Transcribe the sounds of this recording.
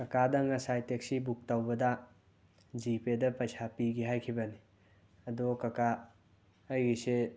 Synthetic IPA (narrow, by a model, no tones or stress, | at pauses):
kɐkadɐŋɐsajtek̚sibuk̚tawbɐda | zipedɐpɐsʰapiɡiɦajkʰibɐni | ɐdokɐkaː | jɡise